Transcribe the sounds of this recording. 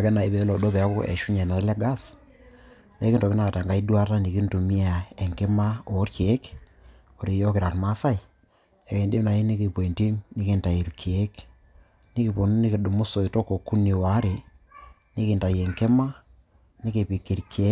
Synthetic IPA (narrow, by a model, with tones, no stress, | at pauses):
a˨kɛ˦na˨i˨be˨˦lo˨do˦pɛ˨a˦ko˦ʔḛ˨ʃu˦ɲɛ˨no˨˦le˦ɡa˦s | ne˦kɪ˦nto˨kɪ˦na˦˨a˨ta˨ŋɡa˦i˦dwa˦ta˦ni˨ki˦ntu˨mi˦a˨ɛ˨ŋke˦ma˦o˨˦ɾke˦k | o˨ɾe˨jo˦kɪ˨ɾa˨tma˦sa˦ɪ˨ | e˨ke˨ndi˦mna˨i˦ni˦ki˨po˨nti˦mnɪ˦kɪ˨nta˨i˨ɾkʰːk | ni˦ki˨po˨nu˦ni˦kɪ˨du˨mʊ˦so˨i˨to˦ko˨kːu˦ni˨wa˨˦ɾe˨ | nɪ˦kɪ˨nta˨jɛ˨ŋkɛ˦ma˦ | nɪ˦ki˨pi˨ki˨ɾkʰe˦